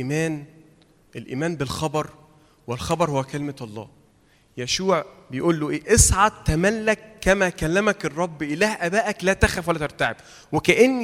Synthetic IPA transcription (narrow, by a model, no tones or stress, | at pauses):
ʔimæːn | ʔelʔḭːmæːnbelxɑbɑɾˤ | welxɑbɑɾˤhowːækelmæʔɑlˤːɑ̰ː | jæʃuːʕbejʔuːlːoʔeːʔesʕɑt̪ːæmælːækːæmækælːæmækerˤːɑbːʔelæːhʔæbæːʔæklæːt̪æxæfwælːæt̪eɾˤt̪aʕeb̥ | wekæʔenːi